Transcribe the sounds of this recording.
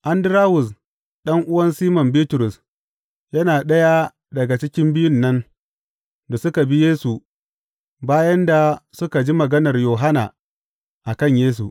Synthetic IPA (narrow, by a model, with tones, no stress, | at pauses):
ʔa˦ndɪ˦ɾaː˦wʊ˨s | ɗɐ˦ŋʔʊ˦wɐ˦nsiː˦mɔ˨mbiː˦tʊ˨ɾʊ˨s | jɐ˦naː˨ɗɐ˦ja˦ | dɐ˨ɡa˨t͡ʃɪ˦kʲɪ˦mbɪ˦jʊ˦nːɐ˦n | da˨sʊ˦ka˨bi˦jeː˦su˨ | baː˦jɐ˦nda˨sʊ˦ka˨d͡ʒi˦mɐ˨ɡɐ˦nɐ˨rjoː˨ɦa˦naː˨ | ʔa˨kɐ˦˨ɲjeː˦s̬ṵ˨